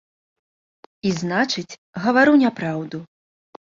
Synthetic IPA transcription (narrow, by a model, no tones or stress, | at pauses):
iznat͡ʂɨt͡sʲ | ɣɐvaɾɨwnʲapɾawd̪u